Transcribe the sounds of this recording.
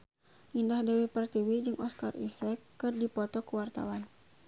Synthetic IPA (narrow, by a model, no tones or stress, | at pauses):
ʔindahdɛwipərt̪iwid͡ʒɨŋʔɔskarḭsɛkːɨrdipɔt̪ɔkəwart̪a̰wan